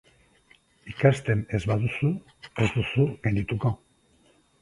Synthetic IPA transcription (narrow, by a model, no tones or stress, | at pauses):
ikast̪e̞ne̞zβaðusu | e̞zd̪usuɣend̪it̪uko̞